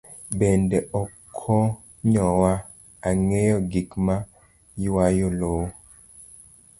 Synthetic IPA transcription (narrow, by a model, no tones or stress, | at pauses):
bɛndɛʔɔkʰɔ | ɲɔwa | aŋejɔɡikma | jiwajoloː